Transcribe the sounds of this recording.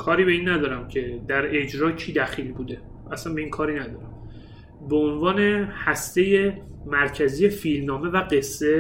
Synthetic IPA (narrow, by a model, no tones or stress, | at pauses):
kʰɒːɾiːbe̞iːnːæd̪ɒːɾæmcʰe̞d̪æɾe̞d͡ʒɾɒːcʰiːd̪æxiːlbuːd̪e̞ | æsænbe̞iːnkʰɒːɾiːnæd̪ɒːɾæm | beonvɒːne̞hæst̪e̞je̞ | mæɾcʰæzijefilnɒːme̞væɢe̞sːe̞